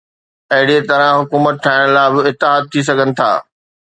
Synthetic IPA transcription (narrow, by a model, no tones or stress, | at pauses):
ɐɦɪɽiet̪ɐɾə̃ɦʊkuːmət̪̚ʈʰaːɪɽ̃laːɪbɪɪt̪ːɪɦaːd̪̚t̪ʰːis̬ɐɡʱənɪ̆t̪ʰa̰ː